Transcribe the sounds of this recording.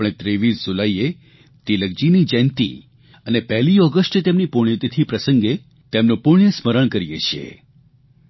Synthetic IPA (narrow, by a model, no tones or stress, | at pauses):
ɳ̃ẽt̪ɾeʋisd͡ʒulaie | t̪iləɡ̚d͡ʒinid͡ʒɛ̃nt̪ḭ | ənepɛɦliɔɡəsʈt̪emnipuɳ̃et̪it̪ʰipɾəsəŋɡe | t̪emnũpũijəsməɾəɳkəɾijet͡ʃʰiḛ